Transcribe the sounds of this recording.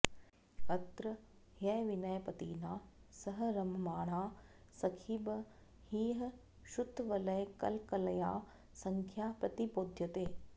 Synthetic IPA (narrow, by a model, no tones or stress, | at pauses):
kɐt̪ɾəhjɐjʋɪnɐjpɐt̪iːnaːsɐɦɾɐmmaːɽ̃aː | sɐkʰiːbɐ | hiːɦɐ | ʃʊt̪ːʋɐlɐjkɐ̰lkɐlɐjaː | sɐ̃ŋkʰjaːpɾɐt̪ipoːd̪ʱjɐt̪eː